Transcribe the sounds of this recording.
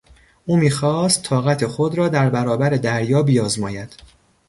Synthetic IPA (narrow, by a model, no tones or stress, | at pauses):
ʔuːmiːxɒːst̪ʰːɒːɣæt̪ʰe̞xod̪ɾɒːd̪æɾbæɾɒːbæɾe̞d̪æɾjɒːbijɒːzmɒːjæd̪̥